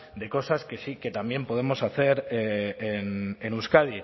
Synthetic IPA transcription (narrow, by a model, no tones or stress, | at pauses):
d̪e̞ko̞saskesike̞t̪ambje̞mpo̞ð̞e̞mo̞saθe̞ɾeenenuskaði